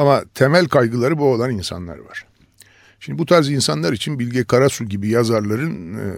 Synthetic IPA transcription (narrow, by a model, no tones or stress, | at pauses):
amat̪ʰemælʲkʰajɡɯlˠaɾɯbuolˠaninsa̰nlˠa̰ɾva̰ɾ̥ | ʃimd̪ibut̪ʰaɾzinsanlˠaɾit͡ʃʰinbilʲɟɛkʰaɾasuɟibijazaɾlˠaɾɯn